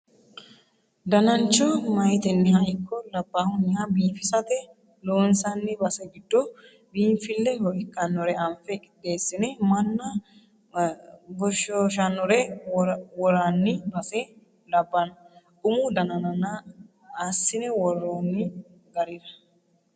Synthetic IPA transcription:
d̪ɐnɐnt͡ʃːɔmɐjt̪ɛnːɪhɐɪkːɔlɐbːaːhʊnːɪhɐbiːfɪsɐt̪ɛ | loːnsɐnːɪbɐsɛɡɪd̪̥ːo | biːɱfɪlːɛhɔɪkːɐnːɔɾɛɐɱfɛkʼɪ̥d̪eːsːɪnɛmɐnːɐ | bɔʃɔʃɐnːɔɾɛ | wɔɾanːɪbɐsɛ | lɐbːɐnɐ | ʊmud̪ɐnɐnɐnaː | sːɪnɛwɔrːoːnːɪ | ɡɐɾɪɾɐ̥

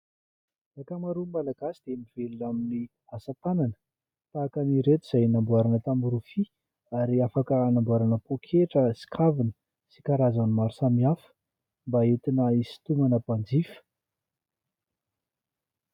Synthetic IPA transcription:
akamaɾumalaɡasid̪̥emivelunamini | asat̪ananə̥ | t̪aːkaniɾet̪iz̥ajnambuaɾanət̪amuɾufi | aɾiafakənambuaɾanəpokʰeʈ͡ʂəsi̥kʰavinə̥ | si̥kaɾazanmaɾisamiafə̥ | mbait̪inəisi̥t̪umanəpand͡zifə̥

